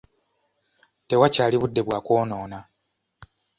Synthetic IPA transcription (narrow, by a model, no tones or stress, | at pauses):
te̞wacaːliβudːe̞βwaːko̞ːno̞ːna